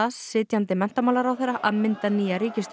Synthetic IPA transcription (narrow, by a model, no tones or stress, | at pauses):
asːɪːt̪jant̪ɪmɛn̥t̪amawlaɾawθɛjɾaʔaðmɪn̥t̪aniːjaɾiːcɪst̪